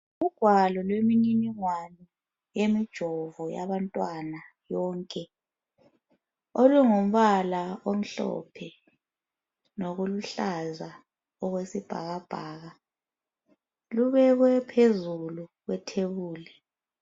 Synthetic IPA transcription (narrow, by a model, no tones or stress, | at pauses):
uɡ̥ʱwalɔlwemininiŋwani | jemid̥ʒ̥ʱɔvɔja̰βantʼwana | jɔːŋkʼɛ | oluŋom̩βalaom̩ɬɔ̰pʰɛ | noɣuluɬaza | ɔɣwesib̥ʱa̰ɣab̥ʱaːɣa | luβɛɣwɛpʰezuluɣwɛtʰeβuːlɛ